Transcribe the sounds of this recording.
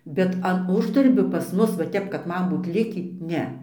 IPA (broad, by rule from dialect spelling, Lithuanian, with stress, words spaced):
ˈbʲɛt ɐn ˈʊʒdɐrʲbʲoː pɐs ˈmʊs ʋɐ ˈtʲɛp kɐt ˈmɐn ˈbuːt ˈlʲɪkʲiː ˈnʲɛ